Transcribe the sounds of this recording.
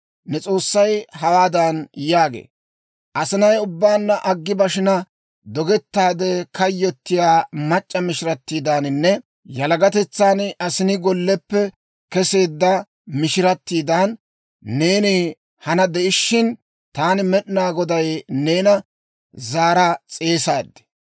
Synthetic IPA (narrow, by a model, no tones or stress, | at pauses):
nɛt͡sʼo̞ːsːɐjɦɐwaːd̪ɐnjaːɡḛː | ʔɐsɪnɐjʊbːaːnːɐʔɐɡːɪbɐʃɪnɐ | d̪ɔɡɛt̪ːaːd̪ɛkɐjːɔt̪ːɪjaːmɐt͡ʃʼːɐmɪʃɪɾɐt̪ːiːd̪aːnɪnːɛ | jɐlɐɡɐt̪ɛt͡sːaːnɐsɪnɪɡɔlːɛpːɛ | kɛse̞ːd̪ːɐ | mɪʃɪɾɐt̪ːiːd̪aːnː | e̞ːnɪ | hɐnɐd̪ɛʔɪʃːɪn | t̪aːnɪmɛɗɪnaːɡɔd̪ɐjne̞ːnɐ | zaːɾɐt͡sʼe̞ːsaːd̪ːɪ̥